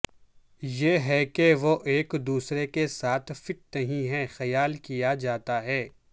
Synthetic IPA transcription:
jeːɦɛkeʋoʔeːkd̪uːsɾekesaːt̪ʰfɪʈ̚nɐɦĩɦɛxɐjaːlkijad͡ʒaːt̪aɦɛː

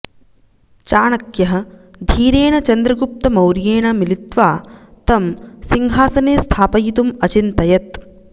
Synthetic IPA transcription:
t͡ʃaːɳɐkjɐɦɐ̆d̪ʱiːɾeːɳɐt͡ʃɐnd̪ɾɐɡup̚t̪ɐmɐwɾjeːɳɐmilit̪ʋaːt̪ɐmsiŋɦaːsɐneːst̪ʰaːpɐjit̪umɐt͡ʃint̪ɐjɐt̪

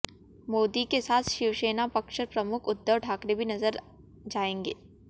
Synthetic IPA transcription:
moːd̪ikesaːt̪ʰʃɪʋʃeːnapɐkʃəɾpɾɐmʊkʰʊd̪ːəʋʈʰaːkɾebʱinɐzəɾ | d͡ʒaːẽːŋɡeː

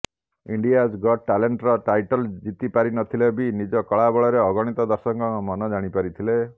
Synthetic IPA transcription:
iɳɖijad͡ʒɡɔʈaleɳʈɾɔʈajʈɔld͡ʒit̪ipaɾinɔt̪ʰilebinid͡ʒɔkɔɭabɔɭɔɾeɔɡɔɽ̃it̪ɔd̪ɔɾsɔŋkɔmɔnɔd͡ʒaɽ̃ipaɾit̪ʰile

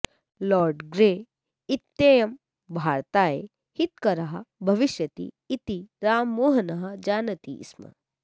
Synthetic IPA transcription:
lɔːɾɖɡɾeː | it̪jeːjɐm | bʱaːɾt̪aːḛ | hit̪̚kɐɾɐɦɐbʱɐʋiʃjɐt̪ḭːt̪iɾaːmːoːɦɐnɐɦɐd͡ʒaːnɐt̪ḭsmɐ̰

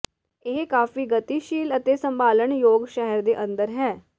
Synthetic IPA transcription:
eːkaːfiːɡət̪iːʃiːlət̪eːsə̃mbaːləɳjoːɡʃɛɦəɾd̪eːʔə̃nd̪əɾɦɛː

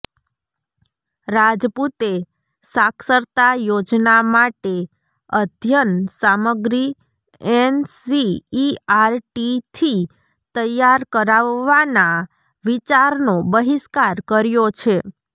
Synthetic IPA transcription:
ɾad͡ʒput̪e | sakʰsəɾt̪ajod͡ʒnamaʈe | əd̪ʱjənsaməɡɾi | ɛnsiː | aɾʈit̪ʰi | t̪əjaɾkəɾaʋːana | ʋit͡ʃaɾnobəɦiskaɾkəɾjot͡ʃʰe

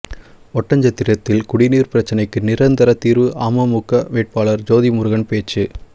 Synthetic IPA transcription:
ɔʈːɐɲd͡ʒɐt̪ːɪɾɐt̪ːɪlkʊɽɪniːɾpɪɾɐt͡ʃːɐnɐɪkːɯnɪɾɐnd̪ɐɾɐt̪ːiːɾʋɯʔaːmɐmʊkːɐʋeːʈ̚paːɭɐɾd͡ʒoːðimʊɾɯɣɐnpeːt͡ʃːɯ

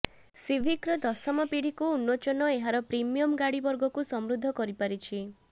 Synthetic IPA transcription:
sibʱikɾɔd̪ɔsɔmɔpiɽ̤ikuunːot͡ʃɔnɔeɦaɾɔpɾimijɔmɡaɽibɔɾɡɔkusɔmɾud̪ʱːɔkɔɾipaɾit͡ʃʰi

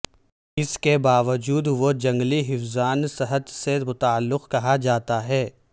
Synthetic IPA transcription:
ɪskebaːʋəd͡ʒuːd̪ʋod͡ʒɐ̃ŋɡliɦɪfzaːnsɐɦət̪semʊt̪aːəlːʊqkɐɦad͡ʒaːt̪aɦɛː

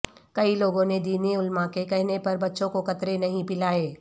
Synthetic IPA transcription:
kɐiloːɡõned̪iːneʊlmãkekɛɦnepɐɾbɐtːʃõkokɐt̪ɾenɐɦĩpɪlaːeː

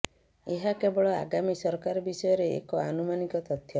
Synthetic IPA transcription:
eɦakebɔɭɔa̰ɡamisɔɾkaɾɔbisɔjɔɾeḛkɔanumanikɔt̪ɔt̪ʰjɔ

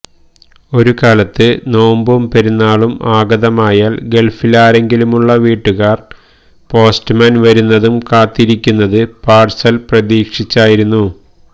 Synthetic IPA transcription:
o̞ɾukaːlɐt̪ːɨno̞ːmbumpeɾunːaːɭumaːɡɐðɐmaːjaːɭɡe̞lfilaːɾe̞ŋɡilumuɭːɐʋiːʈːuɣaːr | po̞ːstmɐnʋɐɾunːɐðumkaːt̪ːiɾikʲːunːɐðɨpaːrsɐlprɐðiːkʂit͡ɕːaːjiɾunːu

